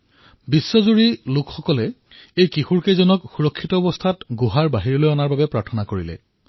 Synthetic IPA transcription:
bisːɔzuɹilʊkxɔkɔlɛ | ejkixuɹkejzɔnɔkxuɹɔkʰːitɔːbɔstʰatɡoɦaɹbaɦiɹɔlojɔnaɹbabɛpɹaɹtʰɔnakoɹilɛ̰

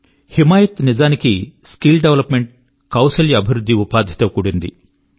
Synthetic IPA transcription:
himaːjɐt̪nid͡ʒaːnikiskilɖeʋlɐpmeɳʈ̚ | kɐwsɐljɐɐbʱiɾud̪ʱːiupaːd̪ʱji̥t̪ɐːkuːɽind̪ḭ

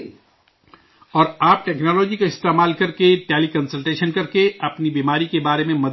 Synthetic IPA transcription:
ɔːɾaːp̚ʈɛːknɔːlɔːd͡ʒikaɪst̪eːmaːlkɐɾkeʈeːlikɐnsəlʈeːʃənkɐɾkeɐpnibiːmaːɾikebaːɾemẽmɐd̪

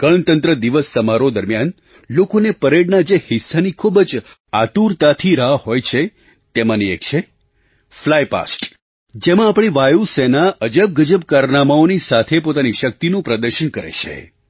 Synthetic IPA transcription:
kəɭnt̪ənt̪ɾəd̪iʋəsːəmaɾod̪əɾmjan | lokonepəɾeɽnad͡ʒehɪsːanikʰubəd͡ʒ | at̪uɾt̪at̪ʰiɾahojt͡ʃʰe | t̪emãniḛkt͡ʃʰe | flajpa̰sʈ | d͡ʒemãapɽ̃iʋajusenaəd͡ʒəb̚ɡəd͡ʒəbkaɾnamaonisat̪ʰepot̪aniʃək̚t̪inũpɾəd̪əɾʃənkəɾḛt͡ʃʰḛ

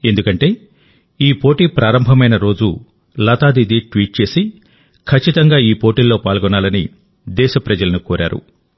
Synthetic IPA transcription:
e̞nd̪ukɐɳʈe̞ː | iːpo̞ːʈiːpɾaːɾɐmbʱɐmɐjnɐɾo̞ːd͡ʒu | lɐt̪aːd̪id̪iʈʋiːʈ̚t͡ʃe̞ːsi | kʰɐt͡ʃːit̪ɐŋɡaːiːpoːʈiːlːo̞ːpaːlɡɔnaːlɐni | d̪ɛːʃɐpɾɐd͡ʒɐlɐnukoːɾʔa̰ːɾṵ

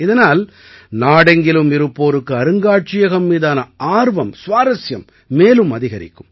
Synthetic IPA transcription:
ɪðɐnaːl | naːɽɐŋɡɪlɯmɪɾɯpːoːɾɯkːɯɐɾɯŋɡaːʈ̚t͡ʃɪjɐɣɐmːiːðaːnɐaːɾʋɐmsʋaːɾɐsjɐmː | eːlɯmɐðɪɣɐɾɪ̰kːɯm

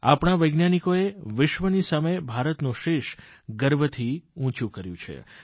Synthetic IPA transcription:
a̰pɳ̃aʋəjɡnjanikoeʋɪʃʋənisamebʱaɾət̪nũʃeʃ | ɡəɾʋət̪ʰiũt͡ʃũkəɾjṵ̃t͡ʃʰḛ

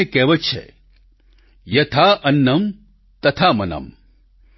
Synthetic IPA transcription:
ekeːʋɐt͡ʃʰḛ | jɐt̪ʰaʔɐnːɐm | t̪ɐt̪ʰamɐnɐ̰m

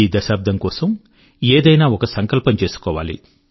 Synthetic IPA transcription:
iːd̪ɐʃaːp̚d̪ɐŋkɔːsɐm | eːd̪ɐjnaːɔkɐsɐŋkɐlpɐɲt͡ʃe̞ːsu̥kɔːʋa̰ːlḭ

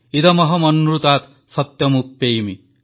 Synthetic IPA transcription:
id̪ɐmɔɦɐmɔnːuɾut̪aːt̪ | sɔt̪jɐmupːejmi

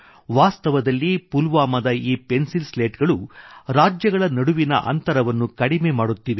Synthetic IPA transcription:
ʋaːst̪ɐʋɐd̪ɐlːipulʋaːmɐd̪ɐiːpe̞nsilsle̞ːʈɡɐɭuɾaːd͡ʒjɐɡɐɭɐnɐɽuʋinɐ̰ʔɐ̰nt̪ɐɾɐʋɐnːukɐɽimeːmaːɽut̪ːiʋe

